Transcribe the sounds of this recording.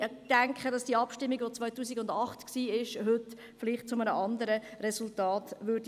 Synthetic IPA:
d̥æŋkχədɑsd̥iːɑpʃtɪmːiɡʋot͡sʋvœʏtuːsiɡʊndɑχtksiːɪʃɦʏt | fliχt̚t͡sʊmənəʔɑndəɾəɾɛsʊltɑːtʋʏɾd

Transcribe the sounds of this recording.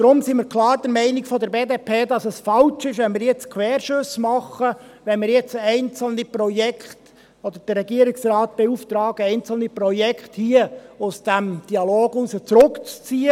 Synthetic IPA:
d̥̪ɾʊmsiːməɾkʰlɑːɾd̥̪əɾmɛɪnɪkfɔd̪ɛɾbeːd̪eːpʰeːd̪ɑsəsfɑlt͡ʃɪʃʋɛnmɪːɾjɛt͡skʰʋɛːrʃɵsmɑχːəʋɛnmɪːɾjɛt͡sɛɪnt͡sl̩niprɔjɛkχt | ɔd̥̪əɾd̥ərːɛɡiəɾɪksrɑːt̪̚b̥euft̪ɾɑːɡəɛɪnt͡sl̩niprɔjɛkʰχthiəʊsd̥æmd̥iɑloːɡusət͡sɾʊkt͡st͡siːə

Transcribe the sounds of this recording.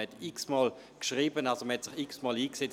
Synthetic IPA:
hɛtiksmɑːl | kʃʁiːbənalsoməhɛtsɪχiksmɑːliːkse

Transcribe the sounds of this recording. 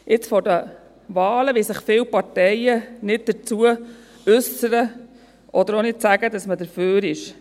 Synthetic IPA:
ɪt͡sfɔɾdə | ʋɑːləʋisɪχfɪːwpɑɾtɛɪənɪd̚d̥̪əɾt͡suə | ʉsəɾə | ʔɔd̪əɾonɪtsæɡ̥ədɑsmədəɾføːɾɪʃ

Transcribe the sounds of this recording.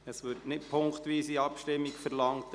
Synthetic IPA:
əsʋʏɾtnɪtpʰʊŋktʋiːsiɑpʃtɪmːikfəɾlɑŋt

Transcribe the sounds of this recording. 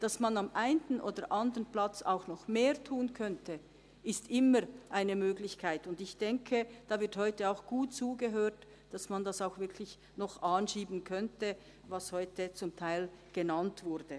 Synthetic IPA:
d̥ɑsmanamʔaɪntn̩ʔo̰ːdəʔandəʁənplat͡sa̰ʊxnɔχmeːʁtʰuːənkʰœntə | ɪstʔɪməɾʔaɪnəmøːɡlɪçkʰaɪtʊndɪçd̥ɛŋkʰəd̥aːvɪɐthɔʏtəaʊxɡ̥uːtt͡suːɡəɦøːt | d̥asmandasaʊxv̥ɪɐkʰlɪç | nɔχʔaːnʃiːbən̩kʰœntə | vashɔʏtət͡sʊmtʰaɪlɡ̥ənantv̥ʊʁd̥ə

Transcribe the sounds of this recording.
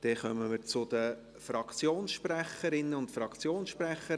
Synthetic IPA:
d̥ɛχœməməɾt͡sʊd̥̪ə | fɾɑkt͡sjoːnsʃpræχəɾɪnːəʊntfɾɑkt͡sjoːnsʃpræχə

